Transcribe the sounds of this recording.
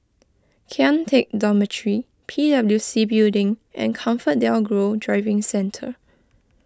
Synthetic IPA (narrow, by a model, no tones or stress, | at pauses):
kʰɛ̃ntʰek̚dɔmətʰɹi | pʰidabəljusibildɪ̃ŋʔɛ̰̃nkʰãɱfət̚dɛlɡɹodɹaɪvɪ̃ŋsɛ̃ntʰə̰